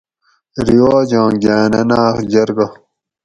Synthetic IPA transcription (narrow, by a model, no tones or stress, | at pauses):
ɾiwaːd͡ʑãːɡaːnɐnaːxd͡ʑɐɾɡɐ